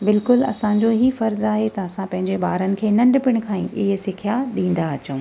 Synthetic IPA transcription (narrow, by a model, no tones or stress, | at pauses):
bɪlkʊlɐ̰sãɲd͡ʑoɦifɐɾzaːɦet̪ɐɐsãpɐ̃ɦɪ̃ɲd͡ʑeɓaːɾənɪ̆kʰeːnɐ̃ɳɖpɪɽ̃̆kʰãːĩɪɦsɪkʰijaɗĩːn̆d̪aɐt͡ɕũː